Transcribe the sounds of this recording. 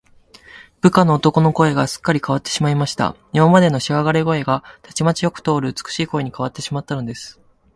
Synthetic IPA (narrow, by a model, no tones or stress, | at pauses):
b̥ɯ̟kano̞ːt̪o̞ko̞no̞ko̞e̞ɡasɨ̥kːaɾʲikaβat̪ːe̞ɕimaimaɕi̥t̪a̰ | imamad̪e̞no̞ɕiɡaɡaɾeɡo̞e̞ɡat̪ʰat͡ɕimat͡ɕijo̞kɯ̟̥t̪o̞ːɾɯ̟ɯt͡sɨ̥kɯ̟̥ɕiːko̞eɲ̟ikaβat̪ːe̞ɕimat̪ːano̞d̪e̞sɨ̥